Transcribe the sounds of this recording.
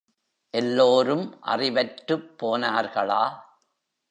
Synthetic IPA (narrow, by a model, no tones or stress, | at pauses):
ʔɛlːoːɾɯmʔɐ̰rɪʋɐʈɾɯpːoːnaːɾɣɐɭaː